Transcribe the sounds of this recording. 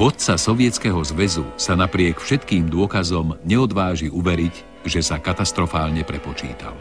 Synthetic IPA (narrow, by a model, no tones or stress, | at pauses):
ʋɔt̪̚t͡sasɔʋɪɛt͡skɛɦɔzʋɛzusanapɾɪɛkfʃɛt̪kiːmd̪ʊɔkazɔmɲɛɔd̪ʋaːʒiuʋɛɾiɟ | ʒɛsakat̪ast̪ɾɔfaːlɲɛpɾɛpɔt͡ʃḭːt̪a̰l